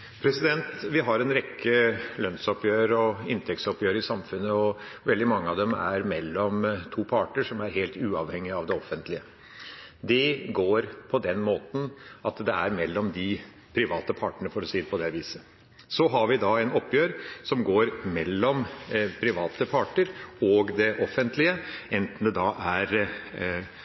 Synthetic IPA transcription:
pʰɾɛsɪd̪ɛnt̪ʋɪɦɑɾɛnɾɛkʰːəlœnsɔpjøːɾɔɪnt̪ʰɛk̚t̪sɔpjøːɾəɪsɑmfʉnːəɔʋɛld̪ɪmɑŋːəɑʋd̪ɛmæ̰ɾmɛlːɔmt̪ʰuːpʰɑːʈəʂɔmæɾɦeːlt̪ʉːɑʋhɛŋːɪɑʋd̪ɛɔfːənt̪lɪə | d̪ɛɡoːɾpʰɔd̪ɛnmoːt̪n̩ʔɑt̪d̪ɛæɾmɛlːɔmd̪ɪ | pʰɾɪʋɑːt̪əpʰɑːʈəɳəfɔɾɔsiːd̪ɛpɔd̪ɛʋiːsə | sɔɦɑɾʋɪd̪ɑɛnɔpːjøːɾsɔmɡoːɾmɛlːɔmpʰɾɪʋɑːt̪əpʰɑːʈəɾɔɡd̪ɛʔɔfənt̪lɪəɛnt̪n̩d̪ɛd̪ɑːʔæɾ

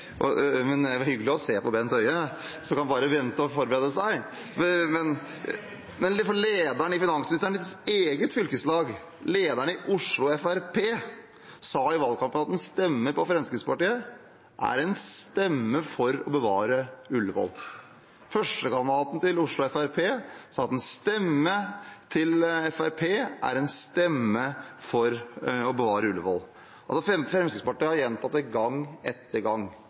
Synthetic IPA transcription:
ɔmɛnæhʏɡəlɪɔseːpɔbɛnt̪ʰœʏə | sɔkɑnbɑːɾəʋɛnt̪əɔfɔɾbəɾeːd̪əsæɪ | mɛn | mɛnfɔɭeːd̪æɳəɪfɪnɑŋsmnɪst̪əɳteːɡət̪fʏlkəslɑːɡ | leːd̪æɳəɪʔʊʂlʊɛfæɾpʰeː | sɑːɪʋɑlːkʰɑmpənɑt̪ɛnst̪ɛmːəpɔfɾɛnskɾɪtsəpɑʈiːə | ʔæ̰ɾɛnst̪ɛmːəfɔɾɔbəʋɑːɾəʉlːəʋɔ̰l | fœʂʈəkɑnd̪ɑːt̪n̩t̪ɪlʊʂɭʊɛfæɾpʰeːsɑːɑt̪ɛnst̪ɛmːət̪ʰɪlɛfæɾpʰeːʔæ̰ɾɛnst̪ɛmːəfɔɾɔbəʋɑːɾəʉləʋɔ̰l | ɑlsɔfɛfɾɛmskɾɪt̪spɑʈiːəhɑɾjɛnt̪ʰɑt̪ːɛɡɑŋːɛt̪ːəɾɡɑŋ

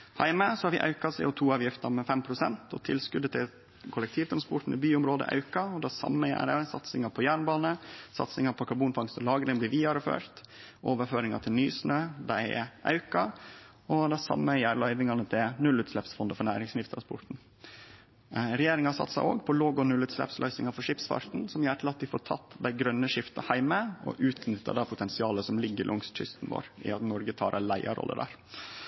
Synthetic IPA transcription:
hæ̰ɪməsɔhɑɾʋɪʔɑ̰ʉkɑsɛɪɔt̪ʰuːɑːʋjɪft̪ɑɾmɛfɛmpʰɾʊsɛnt̪ɔ̰t̪ʰɪlskʉd̪ət̪ʰɪ | kʰʊlɛk̚t̪ʰiːʋd̪ɔmspʊʈn̩ɪ̰byːʊmɾoːd̪ə̰ʔɑ̰ʉkɑɔd̪æsɑ̰mːəjæ̰ːɾəsɑ̰t̪sɪŋɑpʰɔjæːɾɳbɑːnəsɑ̰t̪sɪŋɑpʰɔkʰɑɾbuːnfɑŋst̪əlɑːɡlɪŋblɪɾʋiːɑɾəfø̰ːɾt̪ | ʔoːʋəɾføːɾɪŋɑ̰t̪ʰɪlnyːsnøːd̪æɪɛ̰ʔɑ̰ʉkɑ | ɔd̪æɪsɑ̰mːəjæːɾlœʏʋɪŋɑnət̪ʰɪlnʉlʉːt̪slɛpsfɔnd̪əfɔɾɳæːɾɪŋsmɪft̪əɾɑspʰʊʈ̪n̩ | ɾɛjeːɾɪŋɑsɑ̰t̪sɑ̰ʔo̰ːɡpʰɔloːɡɔnʉlːʉːt̪slɛ̰pslʔœ̰ʏsnɪŋɑfɔɾʂɪpsfɑ̰ɾt̪n̩sɔmjæːɾʈ̪ʰɪlɑt̪̚d̪ɪfoːʈʰɑ̰t̪ːd̪æɪɡɾœnːəʂɪft̪ɑhæɪməɔ̰ʔʉːt̪nʏt̪ːə̰d̪ɑpʰʊt̪ʰɛnsɪɑːləsɔmlɪɡːəɾlʔʊŋst̪ʃʏ̰st̪nʋo̰ːɾɪ̰ɑt̪nɔɾɡət̪ʰɑːɾʔɛlæɪɑ̰ɾɔ̰lːə̰d̪æ̰ːɾ

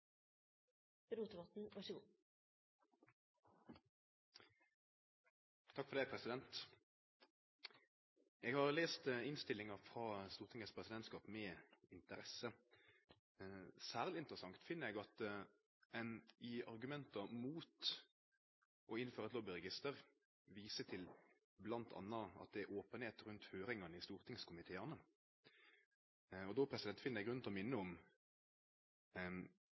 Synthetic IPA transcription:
b̥ɛluːt̪əʋɑt̪n̩ʋæʂəɡo | t̪ʰɑkːfɔʁd̪æɪpʰʁɛsɪd̪ɛnt̪ | ɛːɡhɑʁleːst̪ɪnst̪ɪlːɪŋɑʁfʁɑːst̪uːʁt̪ʰɪŋəspʰʁɛsɪd̪ɛnt̪skɑːpmɛːɪnt̪əɾɛsə | sæːʁlɪɪnt̪ʁəsɑŋkt̪fɪnːəɛɡɑt̪ | ɛnɪɑʁɡʉmɛnt̪ɑmuːt̪ | ʔɔɪnːføːɾʁɑt̪loːbəɾɛɡɪst̪əʁ | ʋiːsət̪ʰɪl | blɑnt̪ʰɑ̰nːɑɑ̰t̪̚d̪ɛoːpənheːt̪ɾʉnt̪høːɾɪŋɑnəɪst̪uːʁt̪ʰɪŋskʰʊmɪt̪ʰeːənə | ɔd̪ɔpʰʁɛsɪd̪ɛnt̪fɪnːəɛɡɾʉnnʰlɔmɪnːəɔm

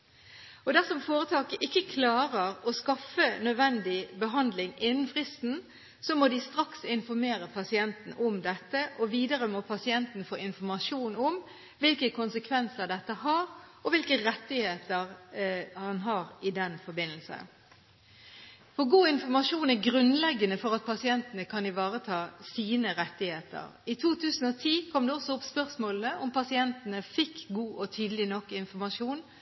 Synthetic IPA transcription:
ɔd̪æʁsɔmfoːɾət̪ʰɑːkəʔɪkːəkʰlɑːɾəʁɔskɑfənœd̪ʋɛnd̪ɪbəɦɑnd̪lɪŋɪnːən̩fʁɪst̪n̩ | sɔmɔd̪ɪst̪ʁɑksɪnfɔɾmeːɾəpʰɑsɪɛnt̪n̩ʔɔmd̪ɛt̪ːəʔɔʋiːd̪əɾəmɔpʰɑsɪɛnt̪n̩fo̰ːʔɪnfɔɾmɑʂuːnʊm | ʋɪlkəkʰʊnsəkʰʋɛnsəʁd̪ɛt̪ːəhɑʁɔʋɪlkəʁɛt̪ːɪheːt̪əʁhɑnɦɑʁɪd̪ɛnfɔɾbɪnːəlsə̰ | fɔɡuːɪnfɔmɑʂuːnæɡʁʉnlɛɡːənəfɔʁɑt̪̚pʰɑsɪɛnt̪ənəkʰɑnɪʋɑːʁət̪ʰɑːsiːnəʁɛt̪ːɪheːt̪ə̰ʁɪt̪ʰuːt̪ʰʉːsən̩ɔt̪ʰiːkʰɔmd̪ɛɔsɔʊpspœʁsmoːlnəʔʊmpɑsɪɛnt̪ənəfɪkːɡuːʔɔt̪ʰyːd̪əlɪnɔkːɪnfɔɾmɑʂuːn

